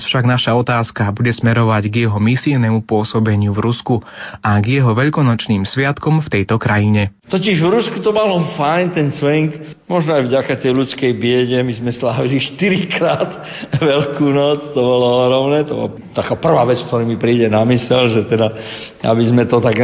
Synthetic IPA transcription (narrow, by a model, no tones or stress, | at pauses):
sfʃaɡnaʃaɔt̪aːskabuɟɛsmɛɾɔʋaɟɡjɛɦɔmisinɛmupʊɔsɔbɛɲɪuvɾuskuʔaɡjɛɦɔʋɛʎkɔnɔt͡ʃniːmsʋɪat̪kɔmft̪ɛjt̪ɔkɾajiɲɛt̪ɔciʒvɾuskut̪ɔmalɔfajnt̪ɛnsʋɛŋk | mɔʒnɔajvɟakat̪ɛjlut͡skɛjbɪɛɟɛmizmɛslaːʋiliʃt̪iɾikɾaːt̪ | ʋɛlkuːnɔt͡st̪ɔbɔlɔɔɦɾɔmnɛːt̪ɔbɔ̰la | t̪akaːpr̩ʋaːʋɛt͡sk̚t̪ɔɾiːmipɾiːɟɛnamisɛlʒɛt̪ɛd̪aa̰bizmɛt̪ɔt̪aɡ